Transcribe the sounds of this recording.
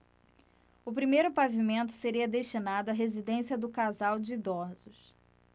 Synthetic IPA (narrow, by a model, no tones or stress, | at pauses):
ʊpɾimejɾʊpavimẽnt̪ʊ̥seɾiɐd̪eʃt͡ʃinad̪ʊɐɦezid̪ẽsiɐd̪ʊkazawd͡ʒɪːd̪ɔɾzʊs